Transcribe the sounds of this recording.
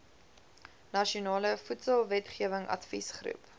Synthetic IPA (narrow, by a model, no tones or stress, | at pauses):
nɐʃiunɑːləfutsəlˠvɛtχiəvəŋʔɐ̰tfḭsχrʉ̰p